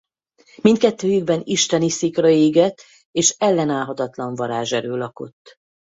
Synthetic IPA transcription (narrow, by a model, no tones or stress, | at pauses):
mint̪kɛt̪ːøːjyɡ̚bɛniʃt̪ɛnisikrɒeːɡɛt̪ː | eːʃɛlːɛnaːlɦɒt̪ɒt̪lɒɱvɒɾaːʒɛɾøːlɒko̞̰t̪ː